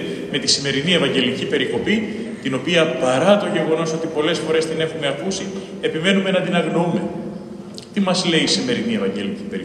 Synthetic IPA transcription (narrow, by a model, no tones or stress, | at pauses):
me̞t̪isime̞ɾinie̞vɐɲɟe̞licipe̞ɾiko̞pi | t̪ino̞piɐpɐɾɐt̪o̞ʝe̞ɣo̞no̞so̞t̪ipo̞le̞sfo̞ɾe̞st̪ine̞xume̞ɐkusi | e̞pime̞nume̞nɐd̪inɐɣno̞ume̞ | t̪imɐzle̞iːsime̞ɾinie̞vɐɲɟe̞licipeɾi